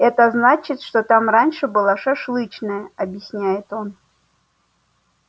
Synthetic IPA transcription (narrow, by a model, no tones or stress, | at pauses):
ɛt̪əznat͡ɕɪt̪ʂt̪ot̪amranʲʂɨbɨlˠaʂɐʂlˠɨt͡ɕnəjəɐbʲjɪsʲnʲæjɪt̪o̞n